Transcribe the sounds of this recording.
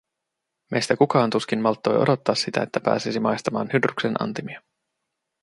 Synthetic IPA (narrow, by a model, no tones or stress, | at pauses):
mejst̪ækukɑːnt̪usk̟inmɑlt̪ːo̞̰jodo̞t̪ːɑːsːit̪æ̰et̪ːæpæ̰ːsisimɑjst̪ɑmɑːnhydryksenʔɑ̰nt̪imiɑ